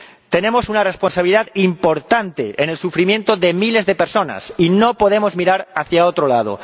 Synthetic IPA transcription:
t̪e̞nẽ̞mo̞sunare̞spo̞nsaβiliðaðimpo̞ɾt̪ant̪eʔene̞lsufɾimje̞nt̪oðe̞mile̞zðe̞peɾso̞na̰sino̞po̞ð̞e̞mo̞zmiɾaɾaθjaot̪ɾolað̞o̰

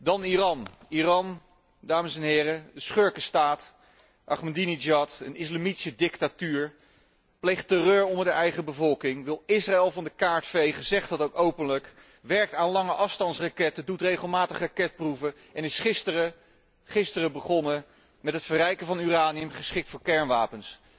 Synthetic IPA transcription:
dɑnirɑnirɑn | daːməsɛnɦɪːrədəsχøɹkəstaːt | ʔɑ̰χməndinid͡ʒɑtə̰nɪslamiti̥sədɪktatyːɹ | plejχtərøːɹɔndəɹdəʔɛjχəbəvɔlˠkɪŋʋɪlˠɪsraɛlˠvɑndəkaːɹtfejχəzɛχtɑtowkowpənlək | ʋɛɹk̚taːnlɑŋəʔɑfstɑntsrakɛtədutrejχəlˠmaːtəχrakɛt̚pruvə | ɛnɪsχɪstərə | χɪstərəbəχɔnə | mɛtɦətfəɾɛjkəvɑnyraːniəmχəsχɪk̚tfʊːɹkɛɹnʋaːpəns

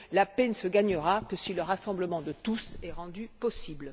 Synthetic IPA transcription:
lapɛnsəɡaɲəʁakəsiləʁasɑ̃bləmɑ̃d̪ət̪usɛʁɑ̃d̪ypɔsibl

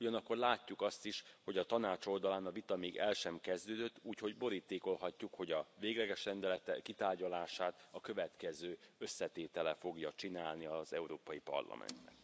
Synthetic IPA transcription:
uɟɒnɒkːo̞rlaːcːukɒst̪iʃho̞ɟɒt̪ɒnaːt͡ʃo̞ld̪ɒlaːnɒvit̪ɒmeːɡɛlʃɛmkɛzd̪øːd̪øt̪ːuːcho̞ɟbo̞ɾiːt̪eːko̞lɦɒcːukho̞ɟɒveːɡlɛɡɛʃrɛnd̪ɛlɛt̪ɛkːit̪aːrɟɒlaːʃaːt̪ɒkø̞vɛt̪kɛzøːøsːɛt̪eːt̪ɛlɛfo̞ɡjɒt͡ʃinaːlniɒzɛuɾoːpɒjipɒ̰rlɒ̰mɛ̰nt̪nɛ̰k

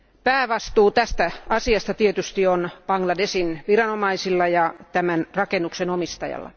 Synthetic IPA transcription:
pæːʋɑst̪uːt̪æst̪æɑsiɑst̪ɑt̪iet̪yst̪ionpɑŋɡlɑdesinʋirɑnomɑisilːɑjɑt̪æmænrɑkenːuksenomist̪ɑ̰jɑ̰lːɑ̰

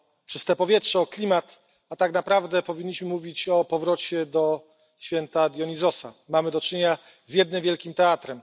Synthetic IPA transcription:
t͡ʂɘst̪ɛpɔvʲjɛtʂɛɔklʲimat̪ | at̪aknapɾavd̪ɛpɔvʲiɲʲːiɕmɘmuvʲit͡ɕɔpɔvɾɔt͡ɕɛd̪ɔ | ɕfʲjɛnt̪ad̪ʲjɔɲizɔsa̰mamɘd̪ɔt͡ʂɨɲeɲa | zʲjɛd̪̚nɘmvʲjɛlkʲimt̪ɛat̪ɾɛm

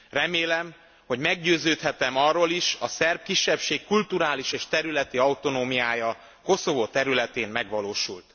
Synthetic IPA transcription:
rɛmeːlɛm | ho̞ɟmɛɡɟøːzøːt̪hɛt̪ɛmɒrːoːliʃɒsɛrb̚kiʃːɛpʃeːkːult̪uɾaːliʃeːʃt̪ɛɾylɛt̪iɒut̪o̞noːmijaːjɒ | ko̞so̞vot̪ɛɾylɛt̪eːmmɛɡʋɒloːʃult̪

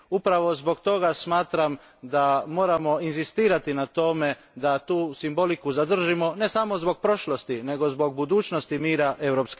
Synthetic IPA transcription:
upɾaʋo̞zbo̞ɡt̪o̞ɡasmaːt̪ɾam | d̪amo̞ːɾamo̞inzist̪iːɾat̪inat̪o̞me̞ | d̪at̪uːsimbo̞likuzad̪r̩ʒimo̞ne̞samo̞zbo̞ɡ̚pɾo̞ʃlˠost̪ine̞ɡo̞zbo̞ɡ̚bud̪uːt͡ʃnost̪imiːɾaʔe̞wɾoːpsk

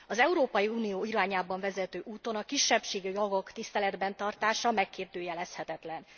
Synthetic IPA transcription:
ɒzɛuɾoːpɒjiuːnijoːiɾaːɲaːbɒɱvɛzɛt̪øːʔuːt̪o̞nɒkiʃːɛpʃeːɡijoɡo̞kt̪ist̪ɛlɛd̪bɛnt̪ɒrt̪aːʃɒmɛkːeːrd̪øːjɛlɛshɛt̪ɛt̪lɛn

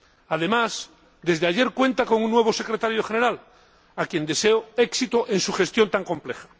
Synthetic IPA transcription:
aðe̞mas | d̪e̞zðeaʝe̞ɾkwe̞nt̪ako̞ŋunːwe̞β̞o̞se̞kɾet̪aɾjoxe̞ne̞ɾal | akje̞nd̪e̞seoeksit̪oʔẽ̞nsuxe̞st̪jo̞nt̪aŋkõ̞mplexḁ

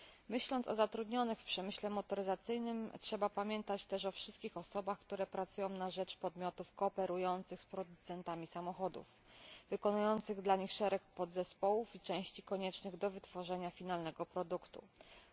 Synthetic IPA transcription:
mɘɕlɔnt̪sɔ̰zat̪ɾud̪ɲɔnɘxfpʂɛmɘɕlɛmɔt̪ɔɾɘzat̪sɘjnɘmtʂɛbapamʲjɛnt̪at͡ɕt̪ɛʂɔfʂɘ̥st̪̚kʲixɔsɔbaxkt̪uɾɛpɾat̪sujɔ̃w̃naʐɛt͡ʂpɔd̪mʲjɔt̪ufkɔːpɛɾujɔnt̪sɘxspɾɔd̪ut̪sɛnt̪amʲisamɔxɔd̪ṵf | vɘkɔnujɔnt̪sɘɣd̪laɲixʂɛɾɛkpɔd̪zɛspɔwufit͡ʂɛ̃w̃ɕt͡ɕikɔɲɛt͡ʂnɘɣd̪ɔvɘt̪fɔʐɛɲafʲinalnɛɡɔpɾɔd̪ukt̪ṵ

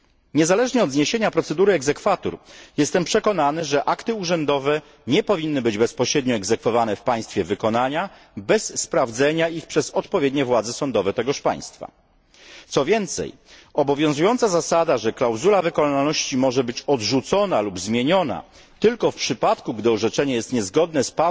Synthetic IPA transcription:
ɲɛzalɛʐɲɛɔd̪zɲeɕeɲapɾɔt̪sɛd̪uɾɘɛɡzɛkfat̪ṵɾjɛst̪ɛmpʂɛkɔnanɘʐɛʔakt̪ɘuʐɛnd̪ɔvɛ | ɲɛpɔvʲinːɘbɘd͡ʑbɛspɔɕɾɛd̪ɲɔɛɡzɛkfɔvanɛfpaj̃st̪fʲjɛvɘkɔnaɲa | bɛsːpɾavd̪zɛɲaixpʂɛzɔt̪pɔvʲjɛd̪ɲɛvwad̪zɛsɔnd̪ɔvɛt̪ɛɡɔʂpa̰j̃st̪fa̰ | t̪sɔvʲjɛnt̪sɛ̰j | ɔbɔvʲjɔ̃w̃zujɔnt̪sazasad̪aʐɛklawzulavɘkɔnalnɔɕt͡ɕimɔʐɛbɘt͡ɕɔdʐut̪sɔnalubzmʲjeɲɔna̰ | t̪ɘlkɔfpʂɘpat̪kuɡd̪ɘɔʐɛt͡ʂɛɲɛjɛst̪ɲɛzɡɔd̪nɛspa

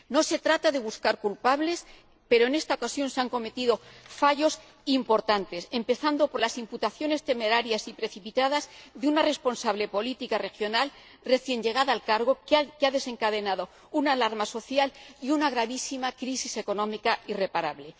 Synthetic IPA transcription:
no̞se̞t̪ɾat̪aðe̞β̞uskaɾkulpaβle̞s | pe̞ɾo̞e̞ne̞st̪aokasjo̞nseaŋko̞me̞t̪iðo̞faʝo̞s | impo̞ɾt̪ant̪e̞se̞mpe̞θand̪o̞po̞ɾlasimput̪aθjo̞ne̞st̪e̞me̞ɾaɾjasipɾe̞θipit̪aðazðeunare̞spo̞nsaβle̞po̞lit̪ikare̞xjo̞nal | re̞θje̞ɲɟe̞ɣ̞aðaːlkaɾɣo̞keaðe̞se̞ŋkaðe̞naðo̞ | unalaɾmaso̞θjaliunaɣ̞ɾaβisimakɾisise̞ko̞nõ̞mikaire̞paɾaβle̞

